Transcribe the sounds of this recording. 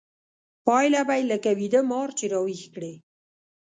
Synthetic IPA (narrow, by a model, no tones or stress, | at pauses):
pɑjlabajləkawid̪əmɑɾt͡ʃeɾɑwixkɽe